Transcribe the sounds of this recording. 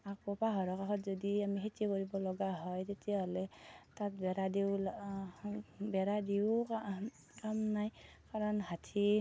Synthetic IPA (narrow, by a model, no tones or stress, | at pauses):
akɔpaɦɔɹɔkakʰɔtzɔdiamiɦitiekɔɹibɔlɔɡaɦɔjtetijaɦɔlɛtat̚bɛɾadiw | bɛɾadiwk | kamnaj | kaɹɔnhatʰi